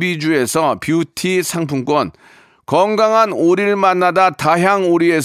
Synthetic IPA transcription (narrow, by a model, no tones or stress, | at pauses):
bid͡ʑue̞sʰʌpjutʰisʰaŋpʰuŋk͈wʌn | kʌŋɡaŋɦanoɾiɭmanːadataɦjaŋoɾie̞s